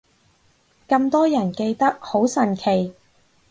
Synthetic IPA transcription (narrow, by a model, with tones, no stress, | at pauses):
kɐ˧mt̪ɔː˥jɐ˨˩nke˧jt̪ɐ˥k̚ho˨˥wsɐ˨˩nkʰe˨˩j